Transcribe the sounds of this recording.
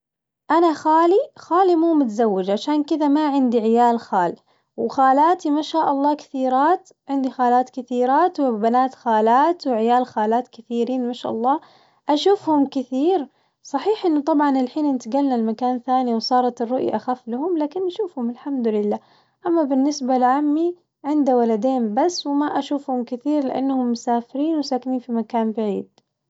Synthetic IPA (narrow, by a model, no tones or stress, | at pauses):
ʔanaxaːlixaːlimuːmʊt̪zawːɪd͡ʒʕaʃaːnkɪðamaʕɪnd̪iʕɪjaːlxaːl | wxaːlaːt̪imaʃaːʔɑlˤːɑːkɪ̥θiːɾaːt̪ | ʕɪnd̪ixaːlaːt̪kɪθiːɾaːt̪wɪbanaːt̪xaːlaːt̪wʕɪjaːlxaːlaːt̪kɪθiːɾiːnmaʃaʔɑ̰lˤːɑː | ʔaʃuːfhʊmkɪθiːɾ | sˤɑħiːħʔɪnːʊt̪ˤɑbʕɑnɪlħiːnʔɪnt̪ɪɡalnalmakaːnθaːniwsˤɑːɾˤɑt̪ɪrːʊʔjʔaxafːlahʊmlaːkɪnʔaʃuːfhʊmɪlħamd̪ʊlɪlːaː | ʔamːabɪnːɪsbalʕamːi | ʕɪnd̪awalad̪eːnbasːwɪmaʔaʃuːfhʊmkɪθiːɾlɪʔa̰nːhʊmːʊsaːfɪɾiːnwɪsaːkɪniːnfimakaːnbaʕḭːd̪̥